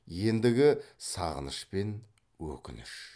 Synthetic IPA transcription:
je̞nd̪ɪɡʲɪsɑ̰ʁə̰nəʃpe̞n | wɵ̰kʲɪnɪʃ

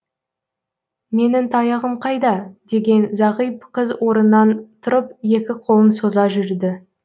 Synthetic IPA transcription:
me̞nɪmt̪ʰɑjɑʁəmqʰɑjd̪ɑd̪e̞ɡʲe̞nzɑʁijp̚qʰəzwo̞ɾənːɑnt̪ʰʊɾəpje̞kʲɪqʰo̞lˠəmso̞zɑʒʏɾd̪ɪ

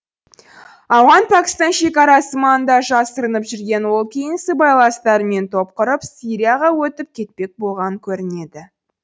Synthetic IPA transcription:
ɑwʁɑnpʰakʲɪ̥st̪ɑnʃe̞kɑɾɑsəmɑnd̪ɑʒɑsəɾənəpʒʏɾɡʲe̞nwo̞lˠkʲʰejɪnsɪbɑjlˠɑnst̪ɑɾəme̞nt̪ʰo̞p̚qəɾəpsʲiɾʲijaʁɑwɵt̪ɪp̚kʲʰe̞t̪̚pe̞k̚bo̞lˠʁɑnəŋkʲʰɵɾɪne̞d̪ɪ

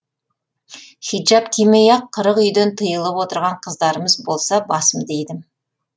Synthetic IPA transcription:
χid̪ʒɑpkʲʰimejɑqʰːəɾəqʏjd̪ent̪ʰəjəlˠəpwo̞t̪əɾʁɑɴqʰəzd̪ɑɾəməzbo̞lˠsɑbɑsəmd̪ejd̪ɪm

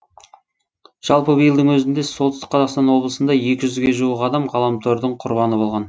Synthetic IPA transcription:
ʒ̥ɑlˠpəbəjəlˠd̪əŋwɵzɪnd̪esolt̪əsə̥qʰːɑzɑqst̪ɑnwo̞blˠəsənd̪ɑje̞kʲɪʒʏzɡʲe̞ʒuwəqɑd̪ɑmʁɑlˠɑmt̪ʰøɾd̪əɴqʰʊɾbɑnəbo̞lˠʁɑn

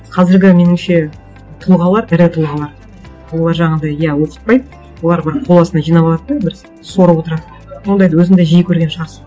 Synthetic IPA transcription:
qʰɑzɪɾɡʲɪme̞nɪmʃe̞ | t̪ʰʊlˠʁɑlˠɑɾæɾɪt̪ʰəlˠʁɑlˠɑɾ | wo̞lˠɑɾʒɑʁɑd̪ɑjjæwo̞qə̥t̪̚pɑjd̪ | wo̞lˠɑɾbɪɾqqʰːolˠɑsənɑʒijnɑbβɑlˠɑd̪d̪bɪɾz | so̞ɾɑpwo̞t̪əɾɑd̪ | sond̪ɑjd̪ɑwɵzɪŋd̪eʒijɪkʲʰɵɾɡʲenʃɑɾsə

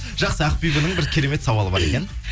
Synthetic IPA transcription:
ʒ̥ɑqsəæqpijbənəɴbɪɾkʲʰe̞ɾe̞me̞t̪sɑwɑlˠəbɑ̰ɾe̞̰kʲe̞n

